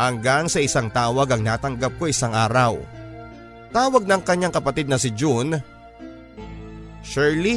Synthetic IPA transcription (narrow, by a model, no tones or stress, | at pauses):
hɐŋɡaŋsɐʔɪsaŋt̪aːwɐɡɐŋnaːt̪ɐŋɡap̚koʔɪsaŋʔaːɾɐw | t̪aːwɐɡ̚nɐŋkɐɲːaŋkɐpɐt̪id̪̚nɐsɪd͡ʒun | ʃɛɹli